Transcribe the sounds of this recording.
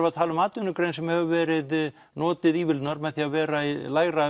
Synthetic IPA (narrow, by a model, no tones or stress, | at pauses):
vaðt̪ʰaːlʏmaːt̪ʏnʏkɾejnsɛmhɛvʏvɛːɾɪð | nɔːt̪ɪðiːvɪlt̪naɾmɛðθiavɛːɾailaːjɣɾa